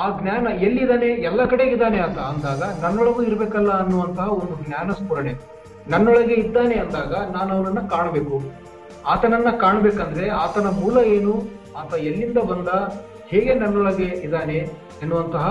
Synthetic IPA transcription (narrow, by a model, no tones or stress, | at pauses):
aːɡnjaːnɐelːiid̪aːne̞ɛlːɐkɐɽe̞ːɡid̪aːneat̪ʰɐːnd̪aːɡɐnɐnːɔɭɐɡuːiɾɐbeːkɐlːɐɐnːuʋɐnt̪ɐɦɐond̪uɡnjaːnɐspuɾɐɳe | nɐnːɔɭɐɡe̞id̪ːaːneɐnd̪aːɡɐnaːnɐʋɐnɐnːɐkaːɳɐbe̞ːku | aːt̪ɐnɐnːɐkaːɳɐbeːkɐnd̪ɐɾeaːt̪ɐnɐmuːlɐe̞ːnu | aːt̪ɐelːind̪ɐbɐnd̪ɐ | heːɡe̞nɐnːɔɭɐɡe̞id̪aːne | ɐnːuʋɐnt̪ɐɦɐ